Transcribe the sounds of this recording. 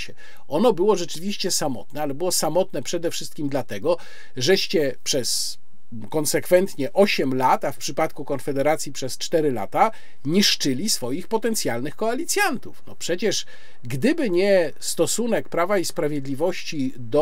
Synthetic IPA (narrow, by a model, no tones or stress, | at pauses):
ɛ | ɔnɔbɘwɔʐɛt͡ʂɘvʲiɕt͡ɕɛsamɔ̰t̪nɛalɛbɘwɔsamɔt̪nɛpʂɛd̪ɛfʂɘst̪kʲimd̪lat̪ɛɡɔ | ʐɛɕt͡ɕɛpʂɛs | kɔnsɛkfɛnt̪ɲɛʔɔɕɛmlat̪afpʂɘpat̪kukɔnfɛd̪ɛɾat̪sʲjipʂɛst͡ʂt̪ɛɾɘla̰t̪a | ɲiʂt͡ʂɘlʲisfɔjixpɔt̪ɛnt̪sʲjalnɘxkɔalʲit̪sʲjant̪ufnɔ̰pʂɛt͡ɕɛʂ | ɡd̪ɘbɘɲɛ | st̪ɔsunɛkpɾavaispɾavʲjeɛd̪lʲivɔɕt͡ɕi | d̪ɔ